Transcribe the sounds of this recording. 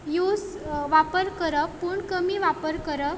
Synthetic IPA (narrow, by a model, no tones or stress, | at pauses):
jus | ʋapəɾkəɾəpuːɳkəmiːʋapəɾkəɾə